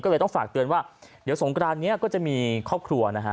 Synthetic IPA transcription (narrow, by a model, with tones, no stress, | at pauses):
kɔː˥˩lːt̪ɔ˥˩ŋfaː˨˩k̚t̪ɯ˧ənwaː˥˩d̪i˩˦wso˩˦ŋkɾaː˧mni˦˥ɐkɔː˥˩t͡ɕa˨˩ʔmiː˧kʰɔː˥˩p̚kʰɾu˧ɐna˦˥kʰa˦˥